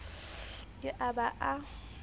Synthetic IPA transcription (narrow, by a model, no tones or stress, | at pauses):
kʼɪʔabaʔa